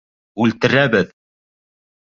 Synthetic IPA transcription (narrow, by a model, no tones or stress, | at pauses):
ʉlt̪ɘ̆ɾæbɘð